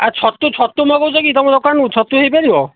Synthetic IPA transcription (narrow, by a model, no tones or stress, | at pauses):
aɾt͡ʃʰɔt̪ut͡ʃʰɔt̪ːumɔkɔwsʰɔkit̪ɔmɔ̃d̪ɔkanut͡ʃʰɔt̪uɦejpeɾibɔ